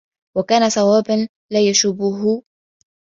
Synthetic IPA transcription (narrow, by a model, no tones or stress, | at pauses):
wakaːnasɑwaːban | laːjaʃʊbʊɦʊ